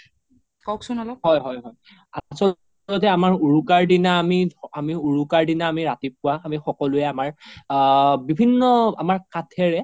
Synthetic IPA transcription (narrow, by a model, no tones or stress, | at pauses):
kɔksʊnalɔhɔjɦɔjɦɔj | asɔ | lɔtɛamaɹuɹukaɹdinaːmiamiuɹukaɹdinaːmiɹatip̚kʊwaːmixɔkɔlʊɛamaɹ | bibʱinːɔa̰maɹkatʰɛɹɛ